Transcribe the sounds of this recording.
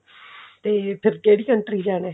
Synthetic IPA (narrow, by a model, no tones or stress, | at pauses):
t̪eːpʰɪɾkeːɽiːkəɳʈɾiːd͡ʒaːnẽː